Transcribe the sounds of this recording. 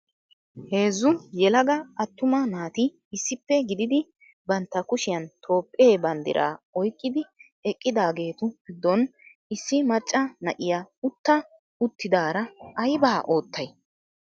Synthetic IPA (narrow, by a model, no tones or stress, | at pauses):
he̞ːzːʊjɛlɐɡɐɐt̪ːʊmɐnaːt̪ɪː | sːɪpːɛɡɪd̪ɪd̪ɪ | bɐnt̪ːɐkʊʃɪjɐnt̪ʰo̞ːpʼːeːbɐnd̪ɪ̰ɾʔa̰ːɔjkʼːɪd̪ɪ | ɛkʼːɪd̪aːɡe̞ːt̪ʊɡɪd̪ːɔn | ɪsːɪmɐt͡ʃʼːɐnɐʔɪjaːʊt̪ːɐ | ʊt̪ːɪd̪aːɾɐʔɐjbaːʔo̞ːt̪ʰːɐj